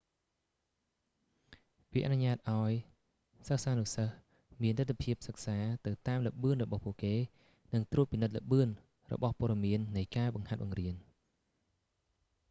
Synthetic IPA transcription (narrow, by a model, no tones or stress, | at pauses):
ʋiʔanuɲaːt̪̚ʔaɔj | səksaːnusəh | miənt̪ɨt̪ːepʰiəp̚sək̚saːt̪ɨwt̪aːmləʔɓɨənrɔɓɑhpuəʔkeː | nɨŋt̪ruːət̪̚pːinɨt̪̚ləʔɓɨən | rɔ̰ɓɑhpŏəɗɑmiənːɨjkaːɓɑŋhat̪̚ɓɑŋriən